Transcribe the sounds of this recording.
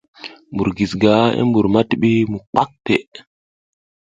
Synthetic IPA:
mbu˨ɾɡi˨sɡa˨˦ḛ˦mbu˨ɾma˦ti˨ɓi˦mu˨k͡pa˦k̚te˨ʔ

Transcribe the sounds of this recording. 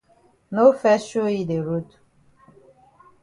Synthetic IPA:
no˦fɛ˦ʃo˦i˨de˨ɾu˦t

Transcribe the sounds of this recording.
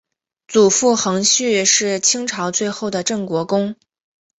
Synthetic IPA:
t͡su˨˩fu˥˩xɤ˧˥ŋɕy˥˧ʂɻ̩˥˩t͡ɕʰi˥ŋʈ͡ʂʰɑ˧˥ʊt͡swe˥˧ɪxo˥˩ʊd̪ə˩ʈ͡ʂɤ˥˩ŋkwɔ˧˥kʊ˥ŋ

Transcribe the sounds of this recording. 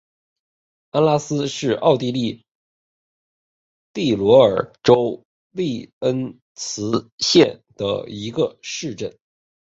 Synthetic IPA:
a˥nla˥sɹ̩˥ʂɻ̩˥˧ʔɑ˥˧ʊt̪i˥˧li˥˩ | t̪i˥˩lwɔ˧˥ə˞˨˩ʈ͡ʂo˥ʊ | li˥˩ə˥n | t͡sʰɹ̩˧˥ɕjɛ˥˩nd̪̥ə̰˩i˧˥ɡə˧ʂɻ̩˥˧ʈ͡ʂə˥˩n

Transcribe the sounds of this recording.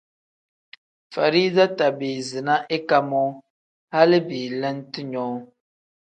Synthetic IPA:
fa˨ɾi˦za˦ta˨bi˨zɨ˨na˦ʔɪ˦ka˦mɔ˦ | ha˦lɪ˦bi˨lɛ˦ntɨ˦ɲɔː˦

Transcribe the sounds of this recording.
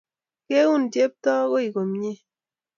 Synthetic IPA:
ke˦wu˦˨n˨dje˦p̚tɔ˦ko˦i˨ko˨m˦ɲe˦

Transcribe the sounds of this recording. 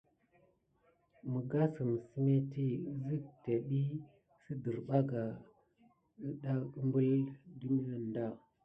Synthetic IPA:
mə˨ɡa˦sə˨m˨si˦me˦ti˦zi˦k̚te˨ɗi˦ | si˦də˨ɾɓa˦ɡa˨ | ə˦ɗa˦ə˦mbə˦ldu˦mi˦a˦n˨da˦˨

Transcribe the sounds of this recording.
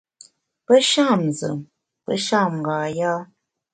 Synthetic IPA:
pə˦ʃa˦˨mzə̰˨m | pə̰˦ʃa˦˨mŋ˨ɡaː˨jaː˦

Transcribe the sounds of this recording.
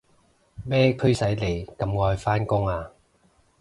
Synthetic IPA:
mɛː˥kʰɵ˥ɥsɐ˨˥jle˨˩jkɐ˨˧mŋɔː˧jfaː˥nkʊ˥ŋaː˧

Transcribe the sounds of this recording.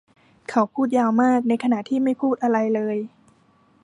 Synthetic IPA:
kʰa˦˥wpʰuː˥˩t̪̚jaː˧wmaː˥˩k̚na˧jkʰa˧na˨˩ʔt̪ʰiː˥˩ma˥˩jpʰuː˥˩t̪̚ʔa˧ɾa˧jlɤː˧j

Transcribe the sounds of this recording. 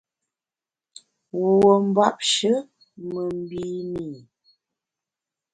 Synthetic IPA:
wo˨wo˨m̩˦ba˦˨p̚ʃə˦ | mə˨m̩˦bi˦miː˨

